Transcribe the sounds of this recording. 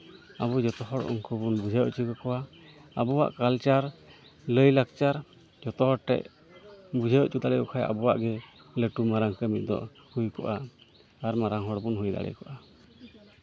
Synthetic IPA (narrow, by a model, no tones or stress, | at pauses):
aβud͡ʒɔt̪ɔɦɔɽɔ̰ŋkɔbunbud͡ʒʱajɔʔt͡ʃukɔkɔwa | abɔwa̰ʔkalt͡ʃaɾ | ləjlakt͡ʃaɾ | d͡ʒɔt̪ɔhɔɽʈɛ̰ʔ̚ | bud͡ʒʱajʔt͡ʃud̪alɛjɔkʰaja̰bɔwa̰ʔɡɛ | ləʈumaɾaŋkəmit̪̚d̪ɔ̰ʔhujkɔ̰ʔaː | ɾmaɾaŋɦɔɽbunɦujd̪a̰ɽɛ̰kɔʔa